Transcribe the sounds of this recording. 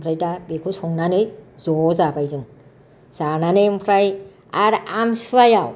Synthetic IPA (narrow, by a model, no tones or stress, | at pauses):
pʰɾajtabekʰusɔŋnanɯjzɔzabajzɯŋ | zananɯmpʰɾaj | aɾamsɯajaw